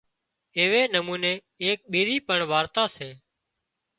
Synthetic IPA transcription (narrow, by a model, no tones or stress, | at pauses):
eːʋeːnəmuːneː | eːk̚ɓiːɾiːpəɳʋaːɾt̪aːseː